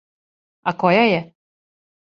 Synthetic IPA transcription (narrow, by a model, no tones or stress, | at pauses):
akɔjajɛ